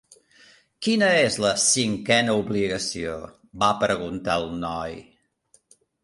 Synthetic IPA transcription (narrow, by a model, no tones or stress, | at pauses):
kinəezləsiŋkɛnəuβliɣəsio̰ | bapəɾəɣ̞unt̪alˠnɔj